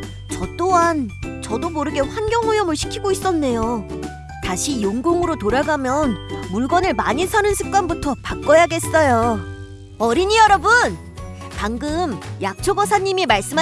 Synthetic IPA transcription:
t͡ɕʌt͈oɦant͡ɕʌdomoɾɯɡe̞ɸwanɡjʌŋujʌmɯɭɕʰi̥kʰiɡois͈ʌnːe̞jo | taɕʰijoŋɡoŋɯɾotoɾaɡamjʌnmuɭɡʌnɯɭmaɲisʰanɯnsʰɯk̚k͈wanbutʰʌpak͈ʌjaɡe̞s͈ʌjo | ʌɾiɲijʌɾʌbɯn | paŋɡɯmjak̚t͡ɕʰoɡʌsʰaɲːimimaɭs͈ɯm

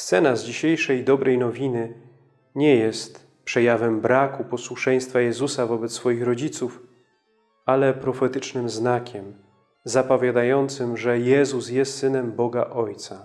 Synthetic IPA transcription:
st̪sɛnazd͡ʑiɕejʂɛjd̪ɔbɾʔɛjnɔvʲinɘ | ɲɛjɛst̪ | pʂɛjavɛmbɾakupɔswuʂɛj̃st̪fajɛzusavɔbɛt̪ssfɔjixɾɔd͡ʑit̪suf | alɛpɾɔfɛt̪ɘt͡ʂnɘmznakʲɛm | zapɔvʲjad̪ajɔnt̪sɘmʐɛjɛzusjɛst̪sɘnɛmbɔɡaʔɔjt̪sa

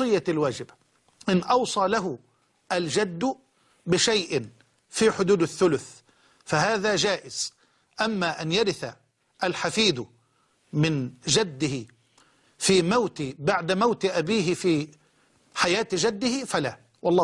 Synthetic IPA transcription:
ɨjːalwaːd͡ʒɪbḁ | ʔɪnʔɑwsˤɑːlaɦʊ | ʔald͡ʒad̪ːʊ | bɪʃajʔɪn | fiːħʊd̪uːd̪aθːʊlʊθ | faɦaːðaːd͡ʒaːʔɪz̥ | ʔamːaːʔanjaɾɪθa | ʔalħafiːd̪ʊ | mɪnd͡ʒad̪ːɪhɪ | fiːmawt̪ɪbaʕd̪amawt̪ʔabiːɦɪfiː | ħajaːt̪d͡ʒad̪ːɪhɪfalaː | wɑlˤːɑː

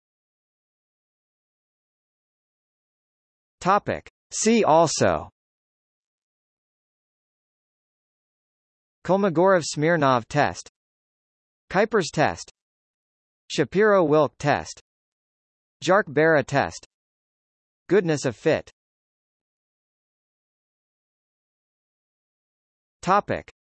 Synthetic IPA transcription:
tʰɑpɪ̰k | siʔɔlˠso̰ʊ | kʰʌlˠməɡɔɹʌv̥smɪɹnɑv̥tʰɛ̰st | kʰaɪpə˞z̥tʰɛ̰st | ʃɨpʰɪɹoʊwɪlˠk̚tʰɛ̰st | d̥ʒ̥ɑɹk̚b̥ɛɹɨtʰɛ̰st | ɡ̥ʊdⁿnɨsʌv̥fɪ̰t | tʰɑpɪ̰k

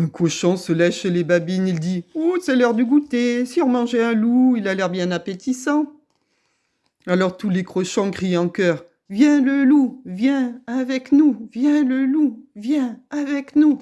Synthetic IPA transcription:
ɛ̃kɔʃɔ̃səlɛʃlebabinild̪iusɛlœʁd̪əɡut̪esiɔ̃mɑ̃ʒeɛ̃luilalɛʁbjɛ̃napet̪isɑ̃ | alɔʁt̪ulekχɔʃɔ̃kχiɑ̃kœːʁ | vjɛ̃ləluvjɛ̃avɛknuvjɛ̃ləluvjɛ̃avɛknu

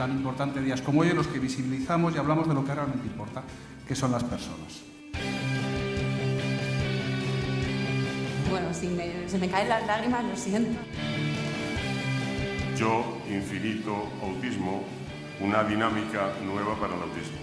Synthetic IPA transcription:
animpo̞ɾt̪ant̪eðiasko̞moojenlo̞ske̞βisiβiliθamo̞siaβlamo̞zðe̞lo̞kerealment̪eimpo̞ɾt̪a | ke̞so̞nlaspe̞ɾso̞̰nas | bwenosimesimekaelazlaɣ̞ɾimazlosjent̪o | ʝo | iɱfinit̪oawt̪izmo | unaðinamikanwe̞β̞apaɾalawt̪izmo

